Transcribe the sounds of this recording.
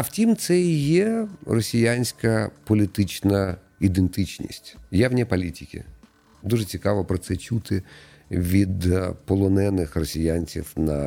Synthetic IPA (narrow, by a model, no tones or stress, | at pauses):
ɐw̥tʲimt̪sɛjɛrɔsʲijanʲsʲkɐpɔlʲit̪ɪt͡ʃnɐ | id̪ent̪ɪt͡ʃnʲḭsʲtʲjawnʲipɔlʲitʲikʲɪ̰ | d̪uʐɛt͡sʲikɑʋɔpɾɔt̪sɛt͡ʃut̪ɪ | ʋʲid̪pɔlˠɔnɛnɪxrɔsʲijanʲt͡sʲḭwnɐ̰